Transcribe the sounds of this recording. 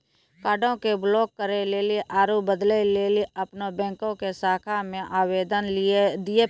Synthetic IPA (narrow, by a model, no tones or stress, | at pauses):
kaːɖʱõkeblɔːkːəɾeleːleʔaːɾubəd̪leleːliɐpnobɛ̃ːŋkõkesaːkʰamẽʔaːweːd̪ənlɪed̪ie